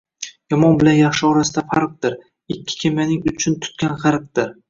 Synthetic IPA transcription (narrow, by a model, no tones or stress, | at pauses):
jɒmɒnbɪlanjɑχʃɪɒɾasɪd̪afaɾq̚d̪ɪɾ | ɪkʲʰːɪ̥kʲʰemanɪŋʊt͡ʃʰʊnt̪ʰʊ̥t̪̚kʲanʁɑɾq̚d̪ɪɾ